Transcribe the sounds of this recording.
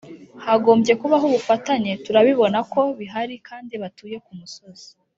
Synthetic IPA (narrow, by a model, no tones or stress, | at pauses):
haɡo̞ːmbje̞kuβaɦuβufataɲe̞tuɾaβiβo̞nako̞βiɦaɾikʰaːndiβatuːje̞kumuso̞z̥i̥